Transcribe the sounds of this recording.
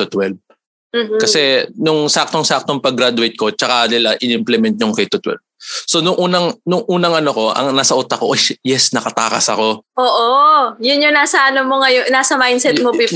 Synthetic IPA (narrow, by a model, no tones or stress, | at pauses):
t̪ʊt̪wɛlb̚ | m̩ːkɐsɛnʊŋsak̚t̪oŋsak̚t̪oŋpɐɡɾad̪ʊwɛjt̪̚ko̞t͡ʃɐkad̪ɪlaʔɪnɪmplɛmɛnt̪̚ɲʊŋkɐjt̪ʊt̪wɛ̰lb̚so̞nʊŋʔuːnɐŋnʊŋʔuːnɐŋɐnoko̞ʔɐ̰ŋnaːsɐʔʊt̪ɐkoʔojjɛsnɐkɐt̪a̰ːkɐ̰sɐ̰ko̞ʔoːʔojʊnjoŋnaːsɐʔɐnomoŋɐjonaːsɐmajnsɛt̪̚mopi